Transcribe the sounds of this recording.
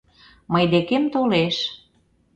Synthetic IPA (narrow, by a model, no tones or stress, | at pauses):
məjd̪ekemt̪oleʃ